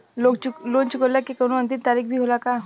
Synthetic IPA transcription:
lokulont͡ɕukəlakːekəɽ̃ũənt̪̬imt̪aɾiːkbʱiːɦolaka

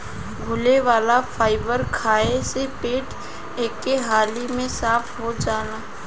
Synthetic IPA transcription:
ɡʱʊleʋaːlafʰaːɪbəɾkʰaːesepeːʈ | eːkːeɦaːlimẽsaːfʰɦod͡ʒaːnaː

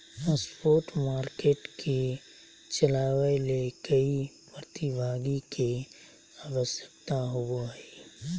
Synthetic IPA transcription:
pəspoːʈmaːɾkeːʈkʰe | t͡ʃəlaːwelekəi | pɾət̪ibʱaːɡike | aːʋəsjə̥kt̪aɦoboɦɛi

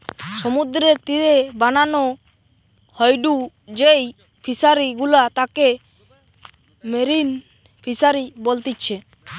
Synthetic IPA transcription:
sɔmud̪ɾeɾt̪iɾebananɔ | hɔjɖu | d͡ʒej | pʰisaɾiɡulat̪ake | meɾin | pʰisaɾibolt̪it̚t͡ʃʰɛ

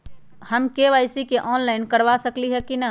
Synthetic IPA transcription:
həmkeʋajsikeʔɔnlaɪnkəɾʋasəkliɦɛkinə

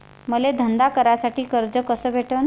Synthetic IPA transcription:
məled̪ʱənd̪akəɾjasaʈiːkəɾd͡zəkəsəːbʱeʈən

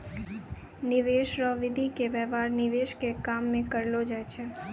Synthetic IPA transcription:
nɪʋeːʃɾɔʋɪd̪ʱikeʋɛːʋaːɾnɪʋeːʃkekaːmːẽkəɾlod͡ʒaːɛt͡ʃʰɛː

